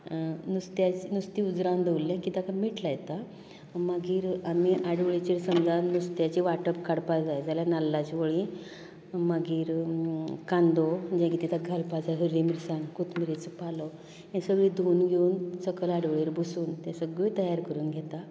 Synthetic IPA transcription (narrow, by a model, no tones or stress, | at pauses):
nust̪jat͡ɕinust̪iud͡zɾãnd̪eulːãkit̪akamiʈlajt̪a | maɡiːɾamiʔaɽʋəɭit͡ɕiɾsəmd͡zanust̪jat͡ɕiʋaʈəpkaɽpad͡zajd͡zaljanalːat͡ɕʋəɭĩ | maɡiːɾ | kãnd̪od͡ʑɛ̃kit̪it̪ʰaɡʱalpad͡zaɦəɾːimiɾsankut̪miɾet͡səpalɔ | jɛ̃səɡɭiːd̪ʱonɡʱeunsəkəlaɽʋəɭeɾbʱusuːnt̪jãsəɡət̪əjaɾkəɾuːnɡʱet̪a